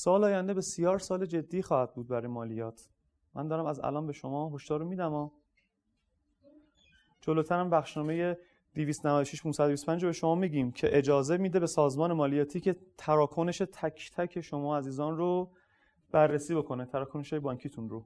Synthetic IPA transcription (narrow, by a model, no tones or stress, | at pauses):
sɒːlɒːjænd̪ebe̞sijɒːɾsɒːled͡ʒe̞d̪ːiːxɒːhæd̪̚buːd̪̚bæɾɒːjemɒːlijɒːt̪ʰ | mʔæ̰nd̪ɒːɾæmæzæ̰lɒːnbe̞ʃo̞mɒːɦo̞ʃd̥̪ɒːɾomiːd̪æmɒː | d͡ʒoloːt̪ʰæɾæmbæxʃnɒːme̞je̞ | d̪̥iviːst̪onævæd̪oʃiʃpʰunsæd̪obist̪pænd͡ʒɾobe̞ʃo̞mɒːmiɟiːmcʰe̞ʔed͡ʒɒːze̞miːd̪e̞be̞sɒːzmɒːne̞mɒːlijɒːt̪ʰiːcʰe̞t̪ʰæɾɒːkʰoneʃet̪ʰæcʰt̪ʰæcʰe̞ʃo̞mɒːæziːzɒːnɾo | b̥ærːesiːbo̞kʰo̞net̪ʰæɾɒːkʰoneʃjbɒːŋcʰiːt̪ʰunro